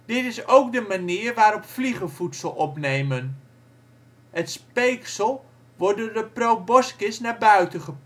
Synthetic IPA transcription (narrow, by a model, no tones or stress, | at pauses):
d̥ɪtɪsowkdəmaniːrʋaːɾɔpfliχəvutsəlˠɔpnejmən | ətspejksəlˠ | ʋɔɹdoːɹdəprowbɔskɪsnaːɹbœɥtəχəp